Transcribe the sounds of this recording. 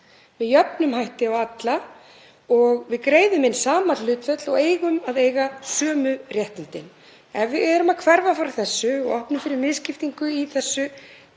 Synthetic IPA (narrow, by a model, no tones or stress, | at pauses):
mɛðjœpnʏmɦajht̪ɪɔɣat̪la | ɔɣvɪðkɾeːjðʏmɪnːsaːmalʏːt̪fœt̪lɔɣeːjɣʏmaðeːjɣasœːmʏrjɛht̪ant̪ɪn | ɛvvɪðɛɾʏmaðkʰvɛɾvafaɾθɛsːʏɔɣɔhpnʏmfɪɾɪɾmɪðscɪft̪iŋkʏiθɛsːʏ